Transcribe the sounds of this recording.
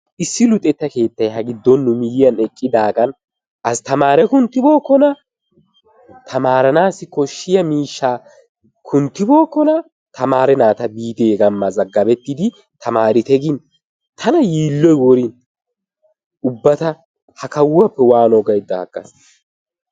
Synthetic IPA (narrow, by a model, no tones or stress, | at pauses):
ʔɪsːɪlʊt̪ʼɛt̪ːɐke̞ːt̪ːɐjɦɐɡɪd̪ːɔnːʊmɪjɪjɐnɛkʼːɪd̪aːɡɐn | ʔɐst̪ɐmaːɾɛkʊnt̪ːɪbo̞ːkːɔnɐ | t̪ʰɐmaːɾɐnaːsɪkɔʃːɪjɐmiːʃːaː | kʰʊnt̪ːɪbo̞ːkːɔnɐ | t̪ʰɐmaːɾɛnaːt̪ɐbiːd̪eːɡɐmːɐzɐɡːɐbɛt̪ːɪd̪ɪ | t̪ʰɐmaːɾɪt̪ɛɡɪn | t̪ʰɐnɐjiːlːɔjwɔɾin | ʊbːɐt̪ɐ | hɐkɐwɐpːɛwaːnɔɡɐjd̪ɐhɐ̰ɡːɐ̰s